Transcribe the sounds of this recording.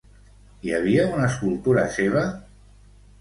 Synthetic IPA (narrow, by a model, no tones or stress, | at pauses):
iaβ̞iaunaːskulˠt̪uɾa̰seβ̞a